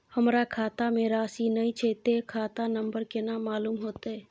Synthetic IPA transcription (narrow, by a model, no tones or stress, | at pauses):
həmɾakʰaːt̪amẽɾaːsinəit͡ʃʰet̪ekʰaːt̪anəmbəɾkenamaːluːmɦoːt̪e